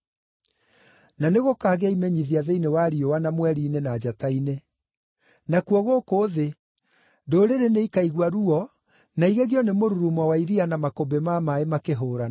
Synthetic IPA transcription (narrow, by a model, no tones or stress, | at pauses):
naneɣokaːɣɛaimɛɲiðiaðeinewaɾiowanamwɛɾiːnenad͡ʑataine | nakuɔɣokoːðe | doɾeɾeneikaiɣwaɾuɔ | naiɣeɣjɔnemoɾuɾumɔwaiɾianamakobemamaemakeɦoːɾa